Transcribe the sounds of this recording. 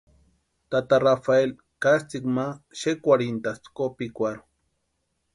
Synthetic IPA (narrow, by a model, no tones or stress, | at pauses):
t̪at̪arafael | kast͡sikmaʃekʷaɾint̪ast͡s̪kopikʷaɾo̥